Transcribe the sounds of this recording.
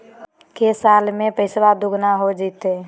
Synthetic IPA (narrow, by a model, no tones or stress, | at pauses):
kesaːlmẽpəɪsʋad̪ʊɡnaɦod͡ʒit̪e